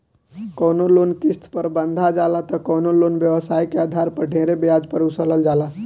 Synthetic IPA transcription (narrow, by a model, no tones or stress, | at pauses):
kɔːnoloːnkɪst̪ʰpəɾbə̃nd̪ʱad͡ʒaːlat̪ɔkɔːnoloːnʋjəʋəsaːikeaːd̪ʱaːɾpəɖʱeːɾebejaːd͡ʒpəɾʊsələld͡ʒaːla